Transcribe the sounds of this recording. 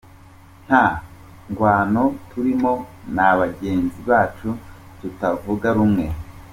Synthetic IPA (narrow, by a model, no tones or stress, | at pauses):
n̥ha | ŋɡwaːno̞tʰuɾimo̞naβaɡe̞ːnziβaːt͡ʃu | tutavuɡaɾumŋe̞